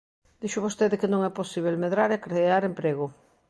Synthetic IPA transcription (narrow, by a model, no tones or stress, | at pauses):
d̪̥iʃʊβost̪eðɪkɪnõŋɛposiβ̞elmeðɾaɾekɾeaɾempɾeɣʊ